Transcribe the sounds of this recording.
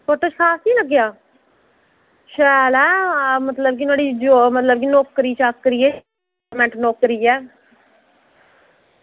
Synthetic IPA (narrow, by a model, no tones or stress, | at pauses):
foːʈːət͡ʃkʰaːsnĩːləɡːjaː | ʃɛːlɛːmət̪ləb̚kinaːɽiːd͡ʒomət̪ləbkinoːkɾiːt͡ʃakːɾiːɛː | mɛ̃ɳʈnɔːkɾiːɛː